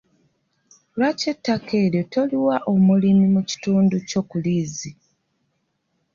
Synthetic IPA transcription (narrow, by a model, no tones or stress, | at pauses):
lwace̞tːakʰe̞ːɾjo̞to̞liwaʔomulimimuci̥tuːnduco̞kuliːzi